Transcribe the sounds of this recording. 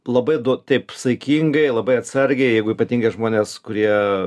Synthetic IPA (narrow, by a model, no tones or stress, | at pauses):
lˠɐbɐɪd̪ut̪ɐɪpsɐɪkʲiŋɡɐɪlˠɐbɐɪɐt̪sɐɾʲɡʲɛɪjɛɪɡʊiːpɐt̪ʲiːŋɡɐɪʒmoːnʲeːskʊɾʲiɛ